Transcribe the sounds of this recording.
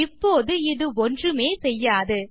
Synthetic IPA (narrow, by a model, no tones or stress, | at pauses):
ɪpːoːðɯɪðɯɔndrɯmeːsɛjːaːðɯ